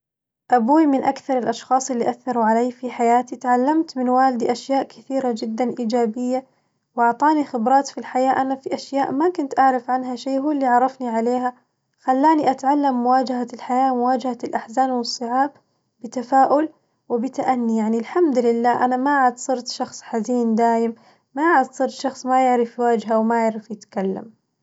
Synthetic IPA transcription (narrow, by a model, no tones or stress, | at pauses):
ʔabuːmɪnʔakθɑɾˤɪlʔɑʃxɑːsˤɪlːiʔaθːɑɾˤuʕalajːfiħajaːt̪it̪ʕalːamt̪mɪnwaːlɪd̪iʔaʃjaːʔkɪθiːɾad͡ʒɪd̪ːanʔiːd͡ʒaːbɪjːa | wʔɑʕt̪ˤɑːnixɪbɾˤɑːt̪filħajaːʔanafiʔaʃjaːʔmakʊnt̪ʔaʕɾafʕanɦaʃeːhuːlːiʕɑɾˤɑfniʕaleːɦa | xalːaːniʔat̪ʕalːamːʊwaːd͡ʒaɦalħajaːmʊwaːd͡ʒahalʔaħzaːnwɨsˤːɨʕaːb̚ | bɪt̪afaːʔʊl | wɪbɪt̪aʔanːijaʕnilħamd̪lɪlːaːʔanamaʕad̪sˤɨɾt̪ʃɑxsˤħaziːnd̪aːjɪm | maʕad̪sˤɨɾt̪ʃɑxsˤmajɪʕɾɪfwaːd͡ʒɦawmajɪʕɾɪfjɪt̪kalːa̰m